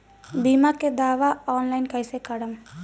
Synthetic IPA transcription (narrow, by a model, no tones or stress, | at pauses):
biːmaked̪aːʋaɔːnlaɪnkəjsekəɽəm